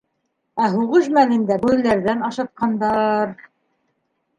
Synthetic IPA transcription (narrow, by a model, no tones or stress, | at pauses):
æɦuʁɤʃmælɘ̆nd̪æbujlæɾðænɑʃɑt̪̚qɑnd̪ɑɾ